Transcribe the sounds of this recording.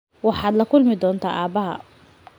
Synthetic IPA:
wɑħɑːd̪lɐkʰʊlmɪd̪ɔːnt̪ʰa̰ːʔaːbɐɦɐ̰

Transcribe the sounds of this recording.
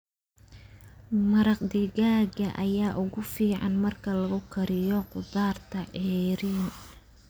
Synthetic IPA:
mɐɾɑqd̪ɪɣaːɡɐʔɐjaːʔʊɣʊfiːʕɑ̰nmɐrkʰɐlɐɣʊkʰɐɾɪjɔqʊd̪aːrt̪ʰɐʕɛːɾiːn

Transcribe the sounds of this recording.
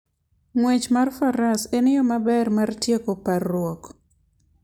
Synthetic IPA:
ŋwet͡ʃmarfaɾasenɪjɔmabɛrmartjekoparːwɔk

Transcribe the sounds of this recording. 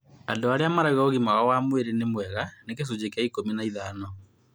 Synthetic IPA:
andoaɾeamaɾaiɣaoɣimawawamweɾenemwɛɣanekes̬od͡ʑekeaikominaiðanɔ

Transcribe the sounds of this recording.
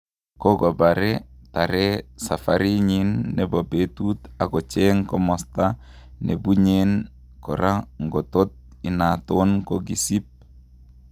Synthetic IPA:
kɔɡɔbaɾɛtaɾɛsafaɾiɲinːɛbobetut̪aɡɔt͡ʃɛŋkɔmɔsta | nḛbuɲen | kɔɾaŋɡɔt̪ot̪̚ | inat̪onkoɡisip̚

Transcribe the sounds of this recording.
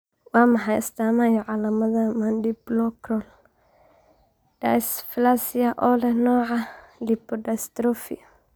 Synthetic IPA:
waːmɐħajɪst̪aːmajɔʕalamɐðamandiblɔkɾɔl | d̥asflasiaʔɔlɛnɔːʕalipɔdast̪ɾɔfḭ

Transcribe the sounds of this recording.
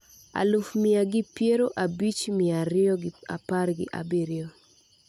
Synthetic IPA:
a̰lufmɪaɡɪpjeɾoʔabit͡ʃmɪaɾɪɔɡa̰parɡɪ̰ʔa̰biɾɪo

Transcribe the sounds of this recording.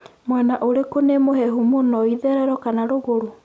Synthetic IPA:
mwɛnaʔoɾekonemoɦɛɦumonɔiðɛɾɛɾɔkanaɾoɣoɾo

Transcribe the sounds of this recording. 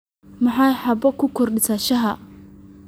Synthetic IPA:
mɐħɑjħɑbɔkʰʊkʰɔrɖɪsaʃɐɦɐ

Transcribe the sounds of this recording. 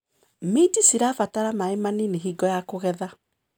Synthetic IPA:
metisiɾaːfataɾamaemanineɦiːɡɔjakoɣɛða

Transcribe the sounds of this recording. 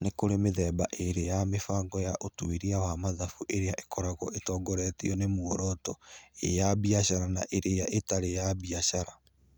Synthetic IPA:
nekoɾemeðɛːbaʔeɾejamefaːŋɡɔjaʔotwiɾiawamaðafuʔeɾeaʔekʰɔɾaɣɔʔetɔːɡɔɾɛtiɔnemuɔɾɔtɔḛjabiaɕaɾanaʔeɾejaʔetaɾejabiaɕaɾa

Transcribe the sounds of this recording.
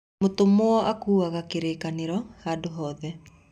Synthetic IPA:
motomoɔʔakuːaɣakeɾeːkaneɾɔhaːdoɦɔːðɛ

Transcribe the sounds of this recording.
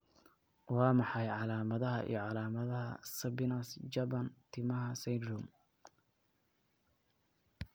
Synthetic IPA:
wɑːmɑħɑjʕɑlaːmɐðɐɦɐ̰ʔḭjɔʕɑlaːmɐðɐɦɐ̰sɐbɪnɐsd͡ʒɐbɐnt̪ʰɪmɐɦɐsɛjd̪rum

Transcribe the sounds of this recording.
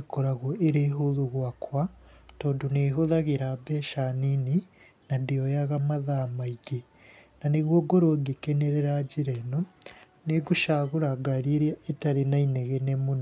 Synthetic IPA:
ikoɾaɣoeɾeɦuðuɣwakwatoːnduneɦoðaɣiɾabeʃanini | nandijojaɣamaðamaiɡe | naniɣwoɡoɾwoɡikeneɾeɾaɟiɾeno | neɡuʃaɣuɾaɡaɾiɾaetaɾinaineɣenemuno

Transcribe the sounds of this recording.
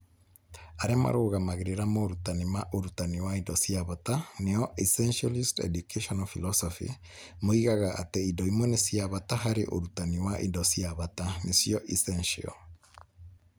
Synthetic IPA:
aɾema̰ɾoɣamaɣeɾeɾamoːɾutanimaʔoɾutaniwaindɔsiaβataneɔʔisɛnʃalistɛ̰dukeʃɔnɔfilɔsɔfḭ | moiɣaɣaʔa̰teindɔimwɔnesiaβataɦaɾeʔoɾutaniwaʔḭndɔsiaβatanesiɔʔisɛnʃḭɔ̰

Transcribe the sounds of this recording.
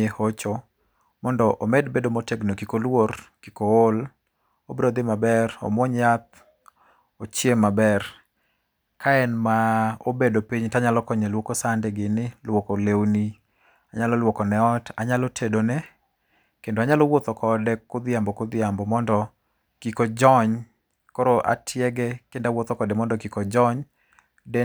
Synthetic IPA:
ehot͡ʃo | mɔndɔʔomɛdbedomoteɡnokikolworkikool | obɾod̪ɪmabɛro̰mwoɲjat̪̚ | ot͡ʃjemabɛr | kʰaɛnmaobedopiɲtaɲalɔkɔɲɛlwokosandɪɡɪnɪlwokolewni | aɲalɔlwokɔnɛɔtʰaɲalɔtʰedonɛ | kendoaɲalɔwot̪ɔkʰɔdɛkʊd̪ɪjambɔkʊd̪ɪjambɔmɔndɔ | kikod͡ʒɔɲ | kɔɾoʔa̰tʰjɛɡɛkendawot̪ɔkɔdɛmɔndɔkikɔd͡ʒɔɲ | dɛ

